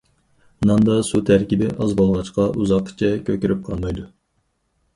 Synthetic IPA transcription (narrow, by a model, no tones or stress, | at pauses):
nɑnd̪ɑsut̪ʰæɾkʲibɪʔɑzbolˠʁɑt͡ʃqɑʔuzɑqːt͡ʃʰɛkʲøkʲyɾyp̚qʰɑlˠmɑjd̪u